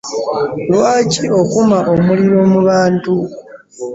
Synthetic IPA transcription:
lwaːcio̞kumaʔomuliɾo̞muβaːntu

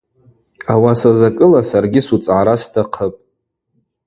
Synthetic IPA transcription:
awasazakʼɨlasarɡʲɪsut͡sʼʕaɾastʰaqʰəpʼ

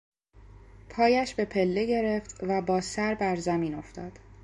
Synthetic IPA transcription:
pʰɒːjæʃbe̞pʰe̞lːe̞ɟe̞ɾe̞ft̪væbɒːsæɾbæɾzæmiːno̞ft̪ɒːd̪̥

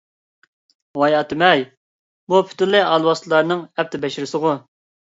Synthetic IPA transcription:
wɑjɑt̪ʰɪmɛj | bupʰy̥t̪ylːɪʔɑlˠwɑslˠɑɾnɨŋɛp̚t̪ʰɪbɛʃɪɾɪsɨʁʊ

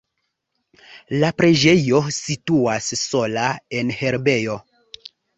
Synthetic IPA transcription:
lapɾe̞d͡ʒe̞jo̞situasːo̞lae̞nhe̞ɾbe̞jo̞

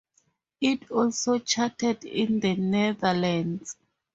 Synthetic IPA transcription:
itʰɔlsot͡ʃʰatʰɛdḭ̃nðənɛðalãnz̥

